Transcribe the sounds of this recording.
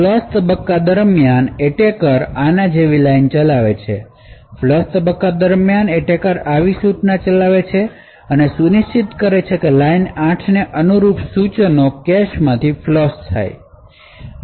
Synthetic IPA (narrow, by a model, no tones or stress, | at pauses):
lɔst̪əbəkːad̪əɾmjaneʈekəɾanad͡ʒeʋilajnt͡ʃəlaʋet͡ʃʰḛ | flɔst̪əbəkːad̪əɾmjaneʈekəɾaʋisut͡ʃnat͡ʃəlaʋet͡ʃʰe | ənesuniʃt͡ʃit̪kəɾet͡ʃʰekelainãʈʰneʔənuɾupsut͡ʃənokɛʃmãt̪ʰiflɔst̪ʰa̰j